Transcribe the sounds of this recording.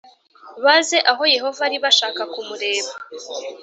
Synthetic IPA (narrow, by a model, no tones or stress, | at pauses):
βaze̞ʔaɦo̞je̞ɦo̞vaɾiβaʃaːkakumuɾe̞ːβa